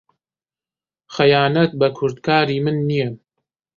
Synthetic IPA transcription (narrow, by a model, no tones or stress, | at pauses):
xɐjaːnɐt̪̚bɐkʰʊɾd̪kʰaːɾiːmɨnːijɛ